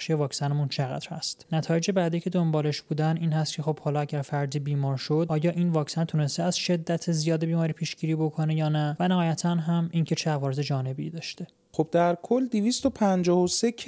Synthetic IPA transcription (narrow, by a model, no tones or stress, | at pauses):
ʃejevɒːksænemunt͡ʃʰeɣæ̰d̪̥ɾhæ̰st̪næt̪ʰɒːje̞d͡ʒebæd̪iːcʰe̞d̪o̞mbɒːleʃb̥uːd̪æniːnhæst̪̚cʰe̞xo̞b̥hɒːlɒæɟæɾfæɾd̪iːbiːmɒːɾʃo̞d̪ʔɒːjɒːʔiːnvɒːcsænt̪ʰune̞st̪eæzʃe̞d̪ːæt̪ʰezijɒːd̪ebiːmɒːɾiːpʰiːʃɟiːɾiːbo̞kʰo̞nejɒːnævænæhɒːjæt̪ʰænɦæmincʰe̞t͡ʃʰeævɒːɾeze̞d͡ʒɒːne̞biiːd̪ɒːʃt̪e̞ | xob̚d̪æɾkʰolːd̪ivist̪opʰænd͡ʒɒːhosekʰ